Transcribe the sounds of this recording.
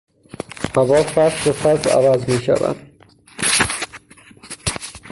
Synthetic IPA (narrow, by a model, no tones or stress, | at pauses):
hæbɒːfæɾsbefæɾzæ̰væzmiːʃæ̰væ̰nd̪̥